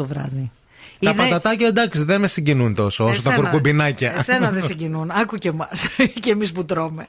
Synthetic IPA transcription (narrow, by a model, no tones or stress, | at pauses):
ovɾɐ̰ði | iɐðpɐd̪ɐt̪ɐcɐd̪ɐksiðenmesiɲɟinunt̪o̞soosost̪ɐekoɾkubinɐcɐsenɐðesiɲɟinunɐkucemɐscemisput̪ɾo̞me̞